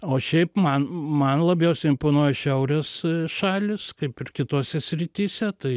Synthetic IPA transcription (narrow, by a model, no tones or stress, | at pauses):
oːʃʲɛɪpmɐnmɐnlˠɐbʲjɛʊsʲɛɪɪmpoːnoːjɛʃʲɛʊɾʲɛsʃɑːlʲɪskɐɪpɪrkʲɪt̪oːsʲɛsʲɾʲɪt̪ʲiːsʲɛt̪ɐɪ